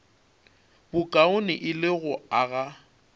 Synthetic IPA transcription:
bʊkʼaʊnɪʔɪlɪɣʊaɣa

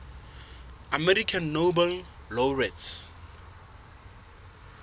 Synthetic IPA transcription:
amɛɾikʰãnːobɛllɔɹɛts

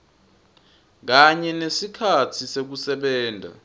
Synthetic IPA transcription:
k̬aɲɛnesikʰatʰisek̬usɛɓɛːndʱa̰

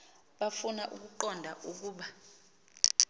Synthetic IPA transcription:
ɓafunaʔuk̬uǃɔndʱaʔuk̬uːɓa

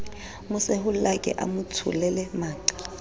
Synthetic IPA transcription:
mʊsɛɦʊl̩lakʼɛ̰ʔa̰mʊtʰʊ̰lɛlɛmaːǃḁ

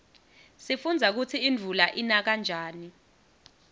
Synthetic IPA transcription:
sifund͡zʱak̬ut͡sʰiːnd͡vʱulaʔinak̬and͡ʒʱaːni

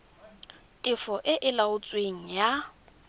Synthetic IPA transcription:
tʼɪfɔʔɪʔɪlaʊt͡sʼweŋ̩ja

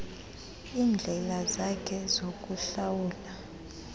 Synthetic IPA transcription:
iːnd͡ɮʱɛlazakʰɛzok̬ʼuɬawuːla

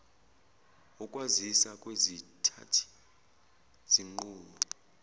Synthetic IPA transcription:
ukʼwazisakʼwezitʰa̰tʰi̥ | z̥iŋ͡ǃuːmɔ

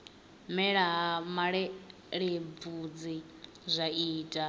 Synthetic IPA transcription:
mɛɺaɦamaɺɛ | ɺib̪vud͡zi | zʷaiːtʼa

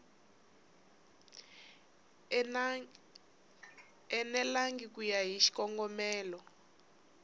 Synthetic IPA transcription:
ɛnɛlaŋɡikujaɦiʃi̥kɔŋɡɔmɛːlɔ

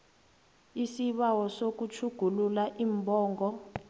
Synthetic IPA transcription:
isiɓawɔsok̬ut͡ʃʰuɡ̥ʱululaʔiːmbʱɔːŋɡɔ

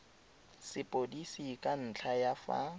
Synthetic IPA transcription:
sɪpʼodisikʼan̩t͡ɬʰajafa̰

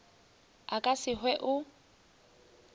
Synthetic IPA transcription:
akʼasɪhwɛʔʊ

